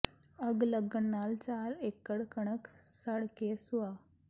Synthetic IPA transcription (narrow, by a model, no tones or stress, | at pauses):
əɡləɡəɳːalt͡ɕaɾekːəɽkəɽ̃əksəɽkesuʋa